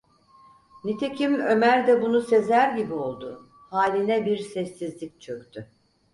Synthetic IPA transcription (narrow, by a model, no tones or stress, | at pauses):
nit̪ʰecʰimø̞mæɾd̪ɛbunuse̞zæɾɟibio̞lˠd̪ʊ | haːlʲinɛbiɾsɛsːizlʲik̚t͡ʃʰøkt̪ʰy